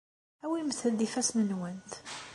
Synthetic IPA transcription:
æwimθəld̪ifæsmənwænt̪

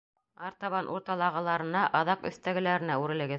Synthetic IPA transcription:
ɑɾt̪ɑβɑnʔuɾt̪ɑlˠɑʁɤ̆lˠɑɾɤ̆nɑʔɑðɑqɵ̰̆θt̪æɡɘ̆læɾɘ̆næʉɾɘ̆lɘ̆ɡɘ

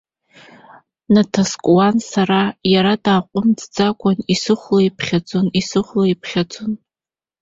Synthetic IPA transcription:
natʰaskʷʼwansarajaɾadaːqʷʼʊmdd͡zakʷʼanisɨχʷloipʰχʲad͡zʼonisɨχʷloipʰχʲad͡zʼon

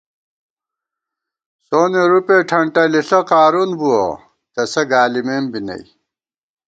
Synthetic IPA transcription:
soːneɾupeːʈʰɐɳʈɐliɬɐqaːɾunbuo̰ | t̪ɐsɐɡaːlimembinɐ̰j

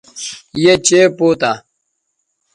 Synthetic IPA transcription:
jet͡ɕeːpoːt̪a

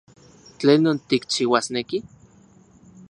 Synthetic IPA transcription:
t͡ɬeːnːont̪ik̚t͡ʃiwasneki

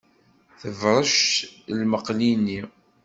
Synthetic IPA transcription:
θəvɾˤəʃlməqlinːi

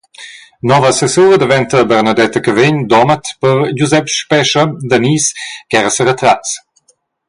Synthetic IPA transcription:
nɔvəsesuːɾəd̪əvɛnt̪əbɛɾnad̪ɛt̪əkəveɲd̪ɔmət̪pəɾd͡ʒuzɛpʃpɛʃəd̪əniːsɡ̥ɛɾəsəɾət̪ɾat͡s

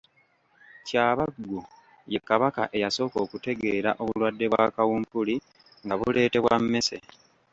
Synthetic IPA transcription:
caːβaɡːu | je̞kːaβaka̰ʔe̞jaso̞ːko̞ːkute̞ɡe̞ːɾaʔo̞βulwadːe̞βwa̰ːkawumpuli | ŋɡaβule̞ːte̞βwamːe̞se̞̰

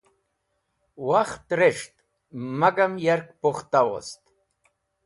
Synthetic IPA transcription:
waxt̪ɾeʂt̪ | maɡamjaɾkpoχt̪awo̰st̪

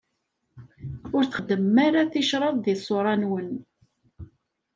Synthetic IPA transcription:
ʊɾθə̥χəd̪əmːaɾaθiʃɾˤɑðˤðisˤoɾˤɑnwən

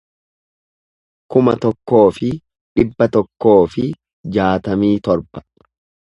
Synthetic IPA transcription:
kʊmɐt̪ɔkːo̞ːfɪ | ᶑɪbːɐt̪ɔkːo̞ːfɪ | d͡ʒaːt̪ɐmiːt̪ɔɾb̥ɐ̥

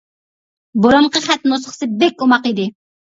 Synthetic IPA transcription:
boɾomqʰəχæt̪nosəχsɨbɛkʲomɑqid̪ɪ

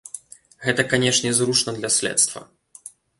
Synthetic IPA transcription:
ɣɛt̪ɐkanʲɛʂnʲɛzruʂnɐd̪lʲɐsʲlʲɛ̰t̪st̪vɐ̰

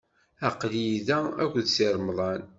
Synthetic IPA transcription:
æqliiðææ̰kʷːðsiɾˤmðˤɑn

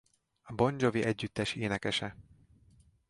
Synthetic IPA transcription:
ɒbo̞ɲd͡ʒo̞viʔɛɟːyt̪ːɛʃeːnɛkɛʃɛ

